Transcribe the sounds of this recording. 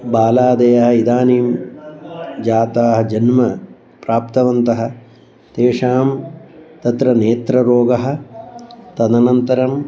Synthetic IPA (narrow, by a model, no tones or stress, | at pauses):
baːlaːd̪ɐjɐɦɐ̆id̪aːniːm | d͡ʒaːt̪aːɦɐ̆d͡ʒɐnmɐ | pɾaːpt̪ɐʋɐnt̪ɐɦɐ̆ | t̪eːʂaːmt̪ɐt̪ɾɐneːt̪ɾɐɾoːɡɐɦɐ̆ | t̪ɐd̪ɐnɐnt̪ɐɾɐm